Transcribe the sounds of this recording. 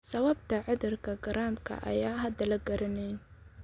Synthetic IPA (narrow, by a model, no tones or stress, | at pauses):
sɐwɐb̚t̪ʰɐʕʊðʊrkʰɐɡɐɾaːmkʰɐ̰ʔɐ̰jaːɦɐd̪ɐlɐɡɐɾɐnɛj